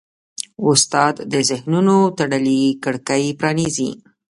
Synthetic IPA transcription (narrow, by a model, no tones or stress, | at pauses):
ʊst̪ɑd̪ːəzɪhnunot̪aɽəlikəɽkəjpɾɑnizḭ